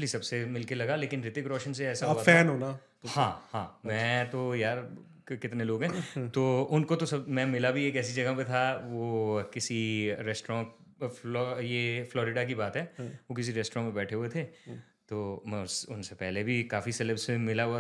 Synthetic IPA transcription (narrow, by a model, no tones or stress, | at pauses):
lisɐbsemɪlkelɐɡaleːkɪnɾɪt̪ɪkɾɔːʃənseɛːsab̪fɛːnɦoːna | hãːhãːmɛ̃t̪ojaːɾ | kɪt̪neloːɡɦɛ̃ːt̪oːʊnkot̪osɐbmɛ̃mɪlabʱieːkɛːs̬id͡ʒɐɡapet̪ʰaʋokɪsiɾɛːsʈɾã | lɔjeːflɔːɾɪɖak̬ibaːt̪ɦɛːʋok̬ɪs̬iɾɛːsʈɾɔ̃ːmẽbɛːʈʰeɦuet̪ʰeː | t̪oːmɛ̃ʊsʊnsepɛɦlebʱikaːfiseːləbsemɪlaɦa